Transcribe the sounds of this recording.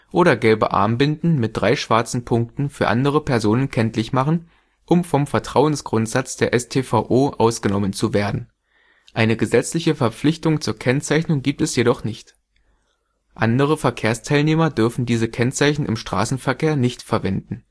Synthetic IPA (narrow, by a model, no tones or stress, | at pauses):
ʔoːɾɐɡɛlbə̰ʔa̰ɐmbɪndn̩mɪt̚d̥ʁaɪʃv̥aɐt͡sn̩pʰʊŋk̚tn̩fyːɐʔa̰ndəʁ̞əpʰɛɐzoːnənkʰɛntlɪçmaχn̩ | ʔʊmfɔmfɛɐtʁ̥aʊənsɡ̥ʁʊntz̥at͡sd̥eːɐʔɛstʰeːfaʔoːʔaʊsɡ̥ənɔmənt͡suveːɐdn̩ | ʔaɪnəɡəzɛt͡slɪçəfɛɐp͡flɪçtʊŋt͡suːɐkʰɛnt͡saɪçnʊŋɡiːp̚tɛsjeɾɔχnɪçt | ʔandəʁ̞əfɛɐkʰeːɐstʰaɪlneːmɐdʏɐfn̩diːzəkʰɛnt͡saɪçn̩ʔɪ̰mʃtʁ̥a̰ːsn̩fɛɐkʰeːɐnɪçtfɛɐvɛndn̩